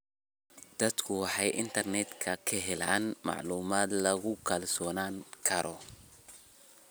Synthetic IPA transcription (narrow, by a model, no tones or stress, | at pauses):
d̪̥ɐd̪kʰʊwɑħɑjʔɪnt̪ʰɐrnɛd̪kʰɐkʰɐɦɛlaːnmɑ̰ʕluːmaːd̪lɐɣʊkʰɐlsɔːnaːŋkʰɐɾɔ